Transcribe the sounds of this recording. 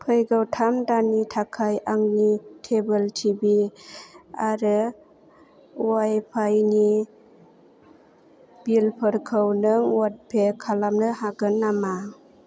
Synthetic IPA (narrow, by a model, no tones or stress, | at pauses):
pʰɯjɡawtʰamdanitʰakʰajʔaŋnitʰebəltʰibi | aɾɯ | uwajpʰajni | b̥ilpʰɯɾkʰɯwnɯŋwat̚pʰekʰalamnɯhaɡɯnːama